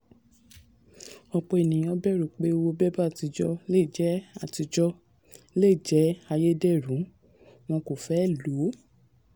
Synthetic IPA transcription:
ɔ˧k͡pɔ˧e˨nĩ˨˦ɔ̃˧bɛ˦˨ɾu˨k͡pe˨˦˧wo˧bɛ˦ba˦a˨ti˧d͡ʒɔ˦le˦˨d͡ʒɛ˦a˨ti˧d͡ʒɔ˦ | le˦˨d͡ʒɛ˨˦a˧je˦dɛ˦˨ɾũ˨˦ | w̃ɔ̃˧ko˨fɛ˨˦˨lo˨˦

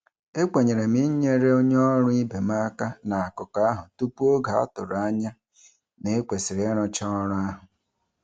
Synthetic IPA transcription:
e˦kʷe˨ɲe˨ɾe˨mi˦ɲe˦ɾe˦o˦ɲ˦ɔ˦ɾʊ˦i˦be˨ma˦ka˦na˨a˨kʊ˨ka˦a˦ɦʊ˨tu˦pu˦o˦ɡa˨a̰˦tʊ˨ɾa˦ɲa˦ | ne˦kʷe˨sɪ˨ɾe˨˦ɾɔ˦t͡ʃa˦ɔ˦ɾʊ˦a˦ɦʊ˨

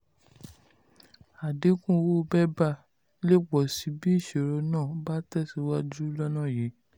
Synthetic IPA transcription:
a˨de˨˦kũ˦wo˦˧bɛ˦ba˦˨ | le˦˨k͡pɔ˨si˨˧˦bi˦˨ʃe˨ɾɔ˧nãː˦˨ba˦tɛ˦˨si˨˦wa˦d͡ʒu˦lɔ˦nã˦˨ji˨˦

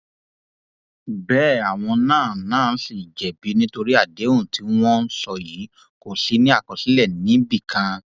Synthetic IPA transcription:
bɛː˦˨a˨w̃ɔ̃˧nãː˦˨nãː˦˨˦si˦˨d͡ʒɛ˨bi˨˦nĩ˦to˧ɾi˦a˦˨de˨˦ũ˦˨ti˨˦w̃ɔ̃˦n̩˦sɔ˦˨ji˨˦ | ko˦˨ɬi˨˦nĩ˦a˦˨kɔ˨si˨˦lɛ˦˨nĩ˨˦bi˦˨kã˧

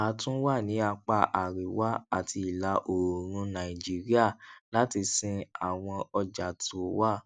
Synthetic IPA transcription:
a˨˦tũ˦wa˦˨nĩ˨˦a˧k͡pa˧˨ʔa˨ɾi˨wa˦a̰˦˨tʰi˧i˨la˧ʔo˨ɾ̃ũ˧nã˨ĩ˨d͡ʒi˨˦ɾi˦a˦˨la˦ti˧sĩ˧a˨w̃ɔ̃˧ɔ˧d͡ʒa˨tu˨˦wa˦˨

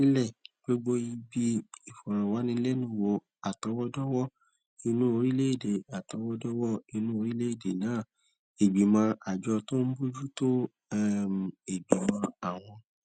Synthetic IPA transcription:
ĩ˦lɛ˦˨ɡ͡bo˦ɡ͡bo˦i˧bi˧i˨fɔ˨ɾ̃ã˨wa˨˦nĩ˧˦lɛ˦nũ˦˨wo˧ | a˨tɔ˧˦wɔ˦dɔ˦wɔ˦ | i˧nũ˦o˧ɾi˦le˦i˦˨de˨a˨tɔ˨˧˦wɔ˦dɔ˦wɔ˦i˧nũ˦o˧ɾi˦le˦i˦˨de˨nãː˨˦˨ | e˨ɡ͡bi˨mã˧a˨d͡ʒɔ˧to˦n̩˦bu˦d͡ʒu˦to˦ | m˨e˨ɡ͡bi˨mã˧a˨w̃ɔ̃˧

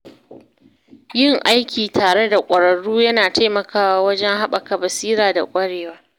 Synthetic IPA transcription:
jɪ˦˨ŋʔa˦jkʲʰiː˨tʰaː˨ɽe˦da˨kʷʼɐ˨ɽɐ˨ɽuː˦jɐ˦naː˨ta˦jmɐ˨kaː˨wa˦wɐ˦d͡ʒɛ˦ŋɦa˦ɓɐ˨ka˨bɐ˨siː˦ɾaː˨da̰˨kʷʼɐ˦ɽeː˨waː˦

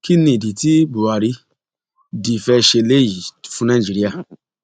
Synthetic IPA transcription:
ki˦nĩ˦˨di˨ti˦bu˨wa˨ɾi˧ | di˨fɛ˧˦ʃe˧le˦ji˨fũ˦nã˦˨d͡ʒi˦ɾi˦a˦˨

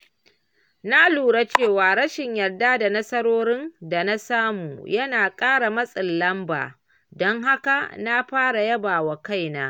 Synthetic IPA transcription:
na˦luː˨ɽa˦t͡ʃeː˦˨waː˨ɽɐ˦ʃɪ˨ɲjɐ˨rda˦da˨nɐ˦sɐ˦ɾoː˦ɾɪ˦nda˨na˦saː˦mṵː˨jɐ˦naː˨kʼaː˦ɽa˨mɐ˦sʼɪ˨lːɐ˦mba̰ː˨ | dɔ˦ŋɦa˦ka˨na˦ɸaː˦ɽa˨jɐ˦baː˨wa˨ka˦˨jnaː˦

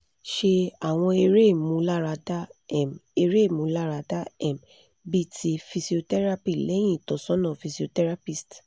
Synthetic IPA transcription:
ʃe˧a˨w̃ɔ̃˧e˧ɾe˦˨mũ˧˦la˦ɾa˧da˦ɛ˨me˧ɾe˦˨mũ˨˦la˦˨ɾa˧da˦ɛ˨m | bi˦ti˧fi˧si˨o˧tɛ˦ɾa˦pi˦˨lɛ˨˦j̃ĩ˦˨tɔ˨sɔ˦nã˦˨fi˧si˨o˧tɛ˦ɾa˦pi˦˨st

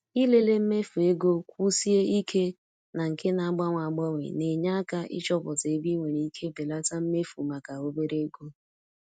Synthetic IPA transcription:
i˦le˦le˦m̩˦me˦fu˨e˦ɡo˦kʷu˦si˦e˦i˦kʰe˦ | na˨ŋ̩˨ke˦na˨a˦ɡ͡ba˦ŋʷa˨ɡ͡bɔ˦ŋʷḛ˨ne˨ɲa˦a˦ka˦ʔɪ̰˦t͡ʃɔ˦bɔ˨te˨˦bi˦ŋʷe˨ni˨i˦kʰe˦be˨la˦ta˦m̩˦me˦fu˨ma˨ka˨o˦be˦ɾe˦ɡo˦

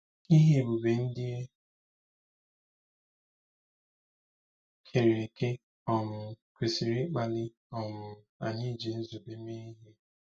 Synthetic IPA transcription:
i˦ɦi˨bu˨be˨n̩˦dɪ˦e˦ | kʰe˨ɾe˨ɾe˨ke˦ | ɔ˨nʊ˨kʷe˨si˨ɾi˦k͡pa˨lɪ˦ | ɔ˨mʊ˨a˨ɲi˦d͡ʒi˨n̩˦zu˨be˦me˦i˦ɦi˦

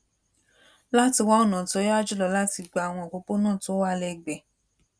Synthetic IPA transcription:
la˦ti˧wa˦o˦˨nã˨to˨˦jɔ˦a˦˨d͡ʒu˦˨lɔ˧la˦ti˧ɡ͡ba˧a˨w̃ɔ̃˧˨k͡po˧k͡po˦nãː˦˨to˦wa˦˧lɛ˧ɡ͡bɛ˨

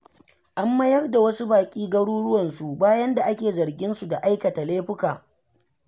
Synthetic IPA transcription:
ʔa˦mːɐ˦jɐ˦rda˨wɐ˦su˦baː˨kʲʼiː˦ɡɐ˦ɽuː˦ɽʊ˦wɐ˨nsu˨baː˦jɐ˦nda˨ʔa˦kʲeː˨zɐ˨rɡʲɪ˦nsu˨da˨ʔa˦jkɐ˨ta˨leː˦ɸʊ˦kaː˨

